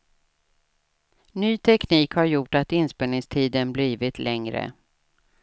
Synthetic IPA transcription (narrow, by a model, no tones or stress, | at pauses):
nyːt̪ʰɛkniːkhaɾjʊʈːat̪ɪnspeːlnɪŋst̪ʰiːd̪ənbliːvɪt̪ʰlɛŋɾə̰